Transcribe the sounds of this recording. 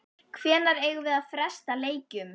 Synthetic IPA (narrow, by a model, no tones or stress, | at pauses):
kʰvɛːnaɾeːjɣʏvɪðaðfɾɛst̪aleːjcʏm